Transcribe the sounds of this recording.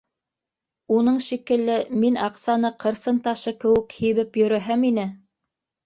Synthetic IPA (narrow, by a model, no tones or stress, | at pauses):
unɤɴʃikɘ̆lːɘminɑqsɑnɤqʰɤ̆ɾsɤnt̪ɑʃɤkɘ̆wɘ̆khiβɘpjɵ̆ɾæɦæminɘ